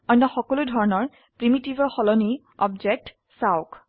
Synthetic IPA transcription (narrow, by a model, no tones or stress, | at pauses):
ɔjnːɔxɔkɔludʱɔɹɔnɔɹ | pɹimitibɔxɔlɔni | ɔbd͡ʒɛk̚t | saʊk